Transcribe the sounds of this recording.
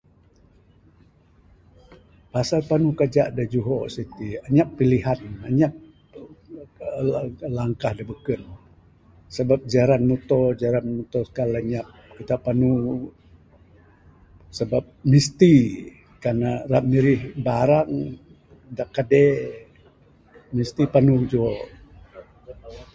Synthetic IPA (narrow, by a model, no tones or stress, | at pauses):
pasalpanukad͡ʒa̰ʔdad͡ʒuɦɔsit̪iaɲapːiliɦanaɲap̚ | laŋkahdabəkən | səbap̚d͡ʒaɾanmut̪ɔd͡ʒaɾanmut̪ɔskalaɲap̚kit̪apːanu | səbap̚mist̪i | kanaramiɾihbaɾaŋ | daʔkːadɛ | mist̪ipanud͡ʒuɔʔ